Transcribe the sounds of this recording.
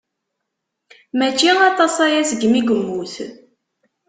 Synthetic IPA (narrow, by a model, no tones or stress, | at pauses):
mæt͡ʃːiɑt̪ˤɑsæjæsɡmiɡəmːuθ